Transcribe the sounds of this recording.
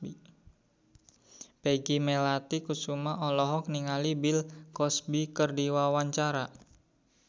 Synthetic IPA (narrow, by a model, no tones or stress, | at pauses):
i | peɡimelat̪ikusumaʔɔlɔɦɔkniŋalibɪlkɔsbikərdiwawaɲt͡ʃaɾa